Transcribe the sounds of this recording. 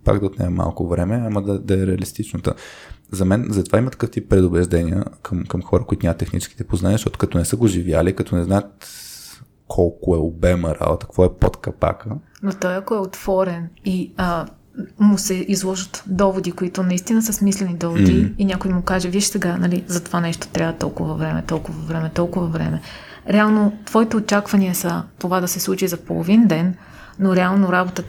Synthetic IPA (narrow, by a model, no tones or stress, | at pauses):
pa̰ɡd̪ɐot̪nɛ̰jəma̰lˠkʊvɾɛmɛamɐd̪ɐd̪ɐɛɾɛɐlist̪it͡ʃnət̪ə̰zɐmɛnzɐt̪ovaimɐt̪ɐ̥kɤft̪ipːɾɛd̪ʊbɛʒd̪ɛniə̰kʰəmkɐmxɔɾəkʊit̪ʊnʲamət̪ːɛxnit͡ʃɛ̥skit̪ɛpoznanʲiəʃt̪ɔt̪o̥kɐt̪ɔnɛsəɡoʒivja̰likɐt̪ɔnɛznajət̪̚ | kʰɔlˠkʊɛobɛməɾa̰bot̪ə̥kvɔɛpot̪kɐpa̰kə | not̪ɔjɐkoɛot̪v̥ɔɾɛniə | mʊsɛʔizlˠɔʒət̪d̪ɔvod̪ikoit̪ʊnɐist̪inəsəsmislɛnid̪ɔvod̪iinʲakʊjimʊkaʒɛviʃsɛɡanɐlizɐt̪ovanɛʃt̪o̥t̪ɾʲavət̪ɔ̰lˠkʊvɐvɾɛmɛ̰t̪ɔlˠkʊvɐvɾɛmɛt̪ɔlˠkʊvɐvɾɛ̰mɛ | ɾɛalˠnot̪v̥ɔit̪ɛot͡ʃakvɐniəsɐt̪ovad̪ɐsɛslˠut͡ʃizɐpolˠo̰vind̪ɛnː | oɾɛalˠnoɾabot̪ə